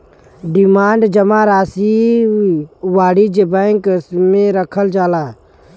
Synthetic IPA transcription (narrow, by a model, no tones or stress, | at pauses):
ɖimaːɳɖd͡ʒəmaɾaːsi | waːɽid͡ʒebɛŋksmẽɾəkʰəld͡ʒaːlaː